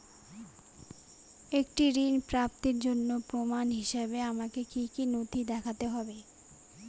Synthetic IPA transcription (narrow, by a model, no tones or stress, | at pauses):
ek̚ʈiɾinpɾap̚t̪iɾd͡ʑonːopɾomanɦiʃebeamakekikinot̪ʰid̪ɛkʰat̪eɦɔbe